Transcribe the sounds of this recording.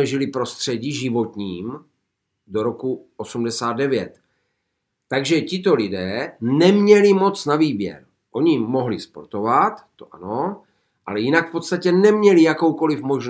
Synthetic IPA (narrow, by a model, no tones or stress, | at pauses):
ɛʒɪlɪpɾo̞st̪r̝̥ɛɟiʒɪvo̞t̪ɲiːm | do̞ɾo̞kuʔosumdɛsaːd̪̚dɛvjɛt̪ː | aɡʒɛcɪt̪̬o̞lɪdɛːnɛmɲɛlɪmo̞t͡snaviːbjɛ̰ɾ | ʔo̞ɲiːo̞ɦlɪspo̞̰ɾt̪o̞vat̪ːoʔa̰no̞ | ʔalɛjɪnakfpo̞t̪st̪acɛnɛmɲɛlɪjako̞wko̞lɪfmo̞ʒn